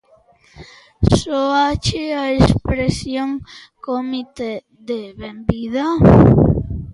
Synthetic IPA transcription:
soat͡ʃeaespɾesjoŋ | komit̪e | ðeβembiða

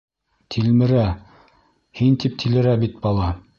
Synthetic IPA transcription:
t̪ʰilmɘ̆ɾæ | hint̪ip̚t̪ʰilɘ̆ɾæbit̪̚bɑlˠɑ

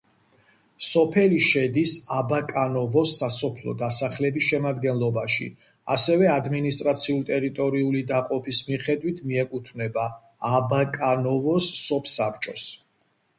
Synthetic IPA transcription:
sɔpʰɛliʃɛd̪isabakʼanɔvɔsasɔpʰlɔ̰d̪asaχlɛbisʃɛmad̪ɡɛnlˠɔbaʃḭ | a̰sɛvɛad̪minist̪ʼɾat̪sʰiult̪ʼɛɾit̪ʼɔɾiulid̪aqʼɔpʰismiχɛd̪wit̪ʰmiɛkʼut̪ʰvnɛbaː | bakʼanɔvɔsːɔpʰsapt͡ʃʼɔs

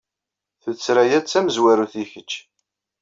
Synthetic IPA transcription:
θut͡sːɾæjæt͡sːæməzwæɾuθiçət͡ʃː

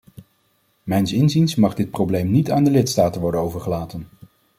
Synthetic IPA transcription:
mɛjnsɪnzinsmɑχdɪt̚prowblejmnitaːndəlɪtstaːtənʋɔɹdənowvəɹχəlaːtən

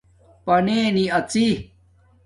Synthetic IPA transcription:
pɐneːniɐt͡si

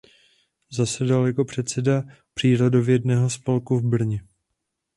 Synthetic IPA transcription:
zasɛdaljako̞pr̝̥ɛt̪sɛda | pr̥iːɾodovjɛdnɛːɦo̞spolkuvbr̩ɲɛ

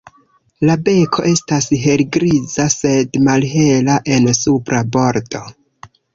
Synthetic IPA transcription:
labe̞kʰo̞̰ʔe̞stasɦe̞lɡɾizase̞dmalɦe̞laʔe̞nsupɾabo̞ɾdo̞

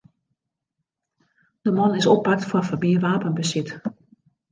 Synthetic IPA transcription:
d̥əmɔnɪsɔpːak̚tfɔrfəbiəʋaːpənbəsɪt

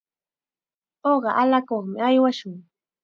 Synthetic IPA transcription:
oɢɑʔalakoχmɪajwaʃʊŋ

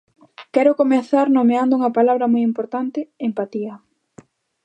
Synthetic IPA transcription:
kɛɾʊkomeθaɾnomeand̪ouŋɐpalaβɾɐmojimpoɾt̪ant̪ɪempat̪iɐ

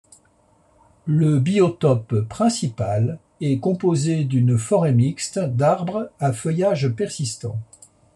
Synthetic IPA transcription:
ləbiɔt̪ɔpːχɛ̃sipal | ɛkɔ̃pozed̪ynfɔʁɛmikst̪d̪aʁbʁafœjaʒpɛʁsist̪ɑ̰̃

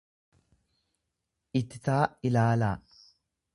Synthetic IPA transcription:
ʔɪt̪ːɪt̪aːɪlaːlaː

